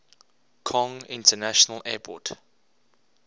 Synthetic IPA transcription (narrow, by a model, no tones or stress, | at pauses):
kʰɔ̃ŋɪ̰̃ntʰənaʃɔnəlʔɛːpʰɔ̰t